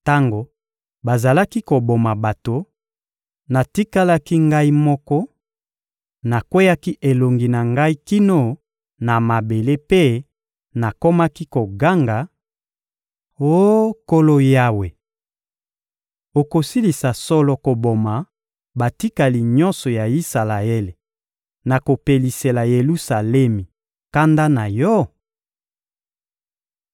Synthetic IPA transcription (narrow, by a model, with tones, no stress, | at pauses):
ta˦ŋɡo˨ | ba˨za˨la˦ki˦ko˨bo˨ma˨ba˨to˨ | na˨ti˦ka˦la˦ki˦ŋɡa˦i˦mɔ˦kɔ˦ | na˨kwe˦ja˦ki˦ʔe˨lo˨ŋɡi˨na˨ŋɡa˦i˦ki˦no˦ | na˨ma˨be˨le˦pe˦ | na˨ko˦ma˦ki˦ko˨ɡa˦ŋɡa˨ | o˦ko˦lo˦ja˦we˨ | o˨ko˨si˦li˨sa˨sɔ˦lɔ˨ko˨bo˨ma˨ | ba˨ti˦ka˨li˨ɲɔ̃˦nsɔ˨ja˨i˦sa˨la˨e˦le˨ | na˨ko˨pe˨li˨se˨la˨je˨lu˦sa˨lɛ˦mi˨ | ka˦nda˦na˨jɔ˦